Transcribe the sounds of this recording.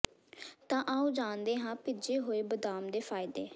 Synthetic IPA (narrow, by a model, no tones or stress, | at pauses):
t̪ãːʔaːũːd͡ʒaːnd̪eːɦãːpɪd͡ʒeːɦoːeːbəd̪aːmd̪eːpʰaːɪd̪eː